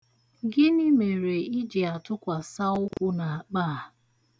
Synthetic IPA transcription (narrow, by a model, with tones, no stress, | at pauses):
ɡɪ˦ni˦me˨ɾe˨i˦d͡ʒi˨a˨tʊ˦kʷa˨sa˦ʊ˦kʷʊ˦na˨a˨k͡pa˦a˨